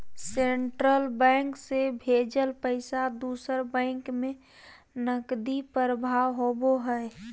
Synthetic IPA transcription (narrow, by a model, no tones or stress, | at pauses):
seɳʈɾəlbɛ̃ŋksebʱed͡ʒəlpəɪsad̪uːsəɾbɛ̃ɪŋkmẽ | nəkd̪ipəɾəbʱawɦoboɦəe